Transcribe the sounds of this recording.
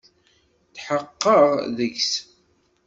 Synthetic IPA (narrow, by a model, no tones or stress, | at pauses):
θħəqːəʁðəʝs